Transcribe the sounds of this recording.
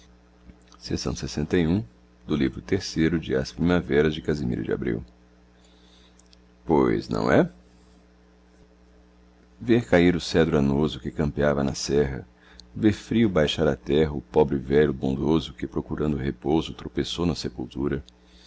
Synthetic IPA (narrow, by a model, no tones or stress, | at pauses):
sesɐ̃w̃sesẽnt̪ɐjũ | d̪ʊlivɾʊt̪eɾsejɾʊd͡ʒɪa̰spɾĩmavɛɾɐzd͡ʒɪkazimḭɾɐ̰d͡ʒɪa̰bɾḭw | pojznɐ̰̃w̃ɛ | veɾkaiɾʊsɛd̪ɾʊanozʊkɪkɐ̃mpiavɐnɐsɛɦɐ̰ | veɾfɾiʊbajʃaɾɐt̪ɛɦɐʊpɔbɾɪvɛʎʊbõnd̪ozʊkɪpɾokuɾɐ̃nd̪ʊhepozʊt̪ɾopesownɐsepuwt̪uɾɐ